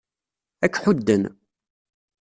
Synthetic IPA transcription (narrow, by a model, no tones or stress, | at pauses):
ækːħud̪ːən